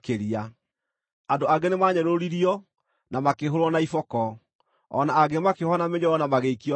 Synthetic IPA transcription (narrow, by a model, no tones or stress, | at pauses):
keɾia | andoaɡenemaɲɛɾoɾiɾiɔ | namakeɦoɾwɔnaifɔkɔ̰ː | naːɣemakehɔnameɲɔɔnamaɣeikiɔ